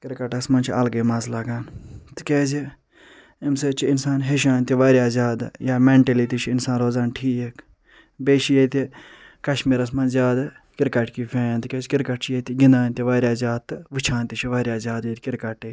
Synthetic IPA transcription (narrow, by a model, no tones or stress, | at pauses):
kɪɾkɐʈɐsmɐnt͡ʃʰɐlɡeːmɐzlaːɡaːnt̪ɨ̥keːzi | imset͡ʃʰiɪnsaːnɦeʃ̬aːnt̪ʲiʋaːɾʲaːzaːd̪jaːmeɳʈelit̪it͡ʃʰiɪnsaːnɾoːzaːnʈʰiːek | beːʃijet̪ʲi | kɐʃmiːɾɐs̬mɐ̃nzʲjaːd̪a | kɪɾkɐʈkifʰẽːnt̪ɨkʲeːzkɪɾkɐʈt͡ʃʰjet̪iɡɪnd̪aːnt̪iʋaːɾʲaːzʲaːd̪̚t̪ːɨʋɨt͡ʃʰãːnt̪it͡ʃʰiʋaːɾʲaːzʲaːd̪jet̪ʲkɪɾkɐʈe